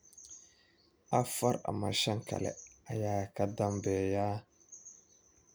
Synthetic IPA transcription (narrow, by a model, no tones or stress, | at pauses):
afaɾa̰ma̰ʃaŋka̰lḛajakadambeja